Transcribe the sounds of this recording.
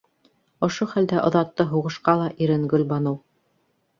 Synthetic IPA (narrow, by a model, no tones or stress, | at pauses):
ŏʃoχæld̪æʔŏðɑt̪ːɤɦuʁɤ̆ʃqɑlˠɑʔiɾɘ̆ŋɡɵlbɑnɤw